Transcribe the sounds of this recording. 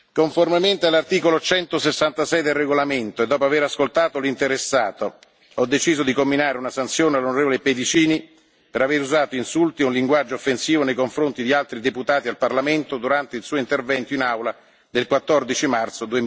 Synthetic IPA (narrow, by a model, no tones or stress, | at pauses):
koɱformement̪ealːart̪iːkolot͡ʃɛnt̪osesːant̪asɛjd̪elreɡolament̪oed̪ːɔːpoaveɾaskolt̪aːt̪olint̪eɾesːaːt̪o | ɔd̪ːet͡ʃiːzod̪ikomːinaːɾeunasant̪sjoːnealːonoɾeːvoleped̪it͡ʃiːni | peɾaveɾuzaːt̪oinsult̪iunliŋɡwad͡ʒːoːfːensiːvonejkoɱfɾont̪id̪ialt̪ɾid̪eput̪aːt̪ialparlament̪od̪uɾant̪eilsuːoint̪ervɛnt̪oinawla | d̪elkwat̪ːɔrd̪it͡ʃimart̪sod̪ue